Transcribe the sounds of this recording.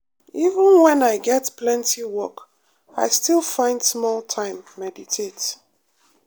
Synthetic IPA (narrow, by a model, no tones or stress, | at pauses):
ivə̃nwɛ̃naɪɡɛtpʰlɛ̃ntʰiwɔk | aɪstilˠfãɪ̃nd̥smɔlˠtʰãɪ̃mːɛditʰet